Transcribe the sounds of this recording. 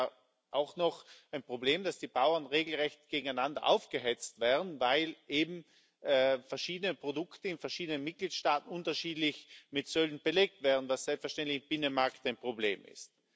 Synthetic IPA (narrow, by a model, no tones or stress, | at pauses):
ʔaʊxnɔxʔaɪnpʁ̥obleːmd̥asd̥iːbaʊɐnʁeːɡl̩ʁɛçtɡ̥eːɡŋ̩aɪnandɐ̰ʔa̰ʊfɡ̥əɦɛt͡stv̥ɛːɐn̩vaɪlʔeːbm̩ː | fɛɐʃiːdənəpʁ̥odʊktəɪnfɛɐʃiːdənənmɪt̚ɡ̥liːtʃtaːtn̩ʊntɐʃiːdlɪçmɪtsøldn̩b̥əleːk̚tv̥ɛːɐn̩vasz̥ɛlpsfɛɐʃtɛntlɪçɪnb̥ɪnənmaɐktaɪnpʁ̥oblḛːmɪ̰st̚